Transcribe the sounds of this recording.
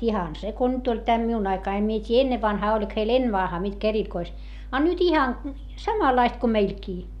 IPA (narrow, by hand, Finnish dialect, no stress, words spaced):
ihɑn se ko nyt olʲ teæ miun ɑikɑi em mie tʲiː enːeʋːɑnhɑː olʲik heil enːeʋːɑnhɑː mitkæ erikois ɑ nyt ihɑn sɑmɑlɑist ko meilkiː